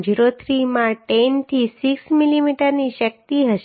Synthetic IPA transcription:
d͡ʒiɾot̪ʰɾimãʈent̪ʰisiksmilimiʈəɾniʃək̚t̪iɦəʃ

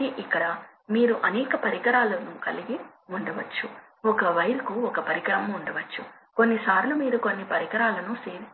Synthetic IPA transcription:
iʔikːɐɽɐ | miːɾuʔɐnɛːkɐpɐɾiɡɐɾaːlɐnukɐliɡi | uɳɖɐʋɐt͡ʃːu | ɔkɐʋɐjɐɾɐkuɔkɐpɐɾiɡɐɾɐmːɳɖɐʋɐt͡ʃːu | ko̞nːisaːɾlumiːɾɐkonːipɐɾiɡɐɾaːlɐnuseːɾi

